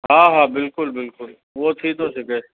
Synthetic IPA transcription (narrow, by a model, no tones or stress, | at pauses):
ɦãːɦaːbɪlkʊlbɪlkʊl | ʋoːt̪ʰid̪osekeː